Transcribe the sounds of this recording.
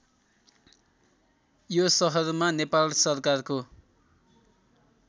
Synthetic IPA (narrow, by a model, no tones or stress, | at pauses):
josʌɦʌrmanepalsʌrkarko